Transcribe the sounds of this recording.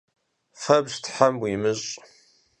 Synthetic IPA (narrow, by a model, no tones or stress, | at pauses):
fɐbstħamwimɨɕʼ